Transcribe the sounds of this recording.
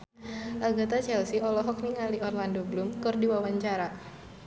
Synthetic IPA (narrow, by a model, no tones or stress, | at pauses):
ʔaɡat̪at͡ʃɛlsiɔlɔɦɔk̚niŋaliɔrlandoɡlumkɨrdiwawaɲt͡ʃaɾa